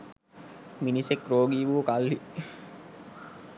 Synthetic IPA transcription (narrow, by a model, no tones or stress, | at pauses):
minisekɾoːɡiːʋukalːi